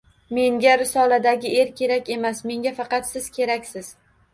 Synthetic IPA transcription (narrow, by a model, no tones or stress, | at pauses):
me̞ŋɡʲaɾɪsɒlad̪aɡʲɪe̞ɾkʲʰe̞ɾakʲe̞masme̞ŋɡʲafɑqɑt̪sɪz̥kʲʰe̞ɾakʲsɪz̥